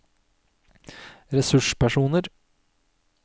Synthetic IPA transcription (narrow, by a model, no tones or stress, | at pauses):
ɾɛsʉʂpæʂuːnəɾ